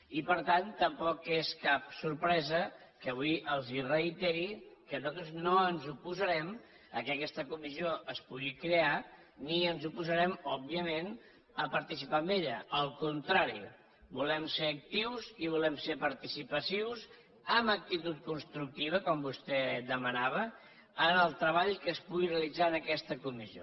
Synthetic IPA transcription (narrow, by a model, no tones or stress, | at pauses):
ipəɾt̪ant̪əmpɔkeskap̚suɾpɾɛzə | kəβujʔəlˠzirəjt̪ɛɾikənuzat̪ɾuznoənzupuzəɾɛm | əkəkɛst̪əkumizioʔəspuɣikɾea | niənzupuzəɾɛmɔbiəmen | əpəɾt̪isipambeʎəəlˠkunt̪ɾaɾḭ | bulɛmseɾːk̚t̪iwziβulɛmsepəɾt̪isipəsiwz | əmək̚t̪it̪ut̪̚kunst̪ɾuk̚t̪iβ̞əkɔmbust̪ɛd̪əmənaβ̞əː | nəlˠt̪ɾəβ̞aʎkəspuɣireəlid͡zaənəkɛst̪əkumizio̰